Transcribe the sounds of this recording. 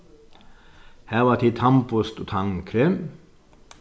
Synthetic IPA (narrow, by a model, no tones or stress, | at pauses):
hæːʋɑːt̪ʰit̪ʰɑmpʊst̪ot̪ʰɑŋkʰɾem